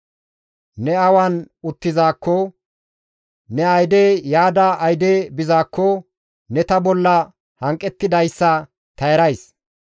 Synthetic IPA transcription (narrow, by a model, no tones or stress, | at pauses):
nɛɐwɐn | ʊt̪ːɪzaːkːɔ | nɛɐjd̪ejaːd̪ɐɐjd̪eːbɪzaːkːɔ | nɛt̪ɐbɔlːɐ | hɐŋkʼːɛt̪ːɪd̪ɐjsːɐ | t̪ɐjɾɐjs